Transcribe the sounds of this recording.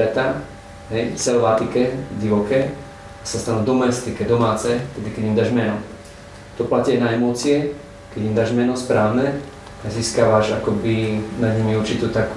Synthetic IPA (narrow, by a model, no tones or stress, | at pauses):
ɛt̪a | ɦɛjsɛlʋat̪ikɛɟiʋɔkɛː | asast̪anuːd̪ɔmɛst̪ikɛd̪ɔmaːt͡sɛft̪ɛd̪ikɛɟimd̪aːʒmɛnɔ | t̪ɔplacianaɛmɔt͡sɪɛ | kɛɟimd̪aːʒmɛnɔspɾaːʋnɛ | aziːskaʋaʒakɔbinad̪ɲimiuɾt͡ʃit̪ut̪ak